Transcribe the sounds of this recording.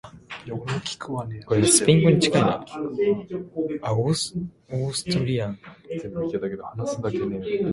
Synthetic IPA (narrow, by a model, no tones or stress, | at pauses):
kʰʲi̥kɯankoɾesɨ̥pʲĩŋɡoɲ̟it͡ɕi̥kaina̰ | aos | osɨ̥t̪oɾʲiãŋzembɯiket̪ake̞d̪ohanasɨd̪akene